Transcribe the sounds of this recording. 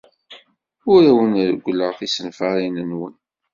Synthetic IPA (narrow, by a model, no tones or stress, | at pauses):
ʊɾæwənɾəɡʷːləʁθisənfaɾinənwən